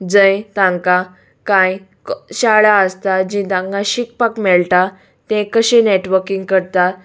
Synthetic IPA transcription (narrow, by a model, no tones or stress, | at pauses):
d͡zə̃jt̪ãŋka | kãj | ɕaɭaəst̪ad͡ʑĩt̪ãŋkaɕikpakmɛɭʈa | t̪ɛ̃kəɕẽneʈʋəɾkiŋɡkəɾt̪a